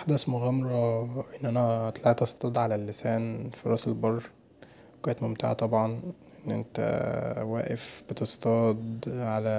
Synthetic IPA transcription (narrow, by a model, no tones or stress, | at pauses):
ʔħd̪æsmoɣæmɾˤɑʔenːʔænæt̪lɑʕit̪ʔɑsˤt̪ˤɑd̪ˤʕalælːesæːnfiɾˤɑːselbɑrˤː | kæːnt̪momt̪a̰ʕa̰t̪ˤɑbʕɑnʔenːʔḛnt̪æ̰wæ̰ːʔefbet̪est̪ɑd̪ʕalæ